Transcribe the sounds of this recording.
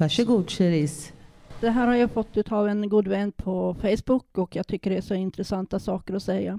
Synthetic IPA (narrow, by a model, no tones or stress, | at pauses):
æʂəɡuːd̪ʂɛɾisd̪̥ɛɦæːɾhaɾjɑfɔt̪ʰːʉːt̪ʰavɛnɡuːd̪vɛnːd̪̚pʰɔfɛjsbʊkːɔkjɑːɡ̚t̪ʰʏkːəɖɛæʂɔɪnt̪ɾɛsant̪asɑːkəɾɔsɛjːa